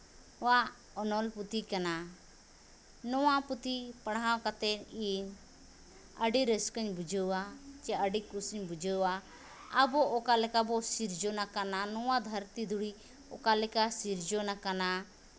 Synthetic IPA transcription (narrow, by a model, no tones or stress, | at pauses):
wa | ɔnɔlput̪ikana | nɔwaput̪ipəɽãwkat̪ɛniɲ | əɖiɾəskəɲbud͡ʒʱəwat͡ʃɛəɖikusiɲbud͡ʒəwaː | bɔʔɔkalɛkabɔsiɾd͡ʒɔnakananɔwad̪ʱəɾt̪id̪ʱuɽi | ɔ̰kalɛkasiɾd͡ʒɔnakana